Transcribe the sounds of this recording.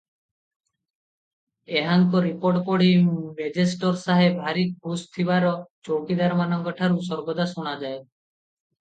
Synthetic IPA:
eɦaŋkɔɾipoɾʈkoɽimed͡ʒesʈɔɾsaɦebʱaɾik̚kust̪ʰibaɾɔt͡ʃokid̪aɾmanɔŋɡɔʈʰaɾusɔɾɡɔd̪asuɽ̃ad͡ʒae

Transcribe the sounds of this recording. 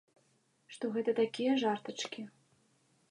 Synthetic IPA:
ʂt̪ɔɣɛt̪ɐt̪akʲijɐʐart̪ɐt͡ʂkʲi

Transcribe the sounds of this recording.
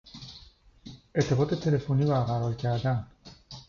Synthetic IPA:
e̞ɾt̪ʰːe̞bɒːt̪ʰet̪ʰe̞le̞foniːbæɾɣæɾɒːlcʰæɾd̪æn

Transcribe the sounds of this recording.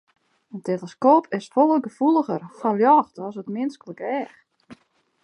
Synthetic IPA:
əntʰelˠəskoːpʰɪsfɔlˠəɡəfulˠəɣərfɔljɔːxtɔsətmɪnskələkɛːx

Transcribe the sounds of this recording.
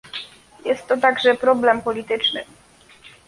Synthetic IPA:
jɛst̪ːɔt̪aɡʐɛpɾɔblɛmpɔlʲit̪ɘt͡ʂnɘ

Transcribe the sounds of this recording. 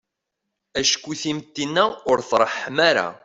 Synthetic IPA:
æʃkʷːuθimt̪ːinːæʊɾθɾˤəħmæɾa̰

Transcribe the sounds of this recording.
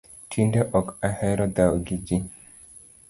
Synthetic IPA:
tʰindeʔɔkahɛɾɔd̪awɡid͡ʒi

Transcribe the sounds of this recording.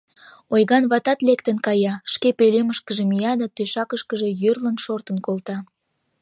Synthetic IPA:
ojɣɑnβɑt̪ɑt̪lekt̪ənkɑjɑʃkepeleməʃkəʒemijɑd̪ɑt̪øʃɑkəʃkəʒe̽jørlənʃort̪ənkolt̪ɑ

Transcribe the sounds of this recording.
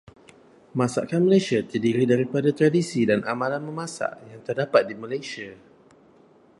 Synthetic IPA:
mãsa̰ʔkanməlajsiat̪ərdiɾidaɾipadat̪ɾadisidanʔamãlanmə̃mãsa̰ʔjaŋt̪ərdapat̪̚dimalasia

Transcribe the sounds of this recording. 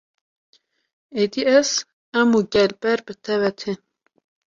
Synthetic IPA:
ed̪iɛs | ɛmuɡʲɛlbɛɾbɨt̪ʰɛvɛt̪ʰe

